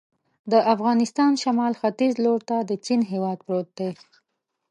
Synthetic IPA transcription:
d̪əʔafɣɑnɪst̪ɑnʃamɑlxat̪izloɾt̪ad̪ət͡ʃinɦewɑd̪̚pɾot̪̚d̪e

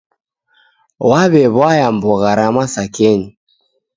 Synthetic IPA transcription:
waβɛβwajambɔɣaɾamasakɛɲi

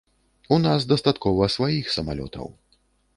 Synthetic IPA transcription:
unazd̪ɐst̪at̪kɔvɐsvajixsɐma̰lʲɔ̰t̪ʰɐ̰w

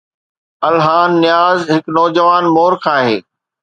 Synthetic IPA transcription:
ɐlɦaːnːɪjaːzɦɪknɔːd͡ʑəʋaːnmoːɾkʰaːɦeː

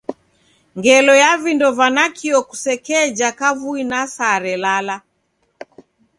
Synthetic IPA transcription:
ŋɡɛlɔjavindɔvanakʰiɔku̥sɛkɛːd͡ʒakavuinasaɾɛlala

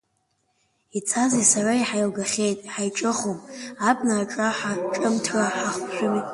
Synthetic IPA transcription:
it͡sʰazisaraiħajlɡaχʲe̞jtʼħajʈ͡ʂʼɨχomabnaːʈ͡ʂʼaħaʈ͡ʂʼɨmtʰraħaχʷʃᶣʊmi

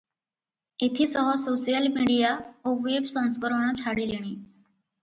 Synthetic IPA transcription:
et̪ʰiːsɔɦɔsosijəlmiɽijaoʋebsə̃ŋ̃skəɾəɳ̃ə̃t͡ɕʰaɽileɽ̃iː

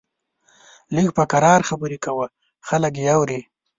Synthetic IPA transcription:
liɡpəkaɾɑɾxabəɾekawə | xalək̬eawɾi

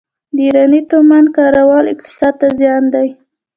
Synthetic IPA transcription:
d̪iɾɑnit̪omand̪̚kɑɾawɑlɪkt̪ɪ̥sɑd̪̚t̪azjɑnd̪aj

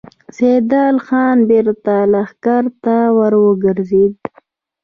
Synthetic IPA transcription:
sed̪ɑːlxɑːnbeɾt̪alaxkaɾt̪awəɾwəɡəɾzid̪̚

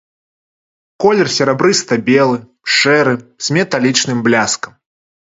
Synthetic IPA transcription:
kɔlʲɛrsʲɛɾɛbɾɨst̪ɐbʲɛlˠɨ | ʂɛɾɨz̥ʲmʲɛt̪alʲit͡ʂnɨmblʲaskɐm

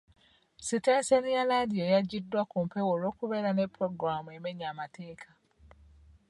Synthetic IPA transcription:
sitesenijaladijojaɟidːwakumpe̞wolo̞ːkuβe̞ːɾane̞pːɾo̞ɡɾamue̞me̞ɲaːmateːkʰḁ

